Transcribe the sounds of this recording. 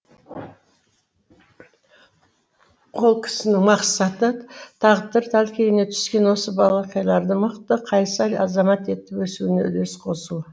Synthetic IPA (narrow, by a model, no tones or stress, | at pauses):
qʰo̞lˠkʲʰɪ̥sɪnɪŋmɑqsɑt̪ət̪ʰɑʁd̪əɾt̪ʰælkʲejɪne̞t̪ʰʏ̥skʲe̞nwo̞səbɑlˠɑqiɑjlˠɑɾd̪əməqt̪əqʰɑjsɑjɑzɑmɑt̪e̞t̪ːɪpwɵsuɪne̞̰ʏle̞sqʰo̞su